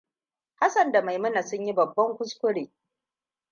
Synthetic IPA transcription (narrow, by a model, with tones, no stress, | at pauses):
ha˦sɐ˨nda˨ma˨jmʊ˦na˨sʊ˦ɲji˦bɐ˨bːɐ˦ŋkʷʊ˦skʷʊ˦ɽeː˨